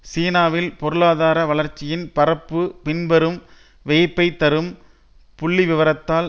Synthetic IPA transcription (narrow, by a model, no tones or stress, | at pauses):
siːnaːʋɪlpɔɾɯɭaːðaːɾɐʋɐɭɐɾt͡ʃːɪjɪnpɐɾɐpːɯpɪnbɛɾɯm | ʋeːpːɐɪt̪ːɐɾɯm | pʊɭːiʋɪʋɐɾɐt̪ːaːl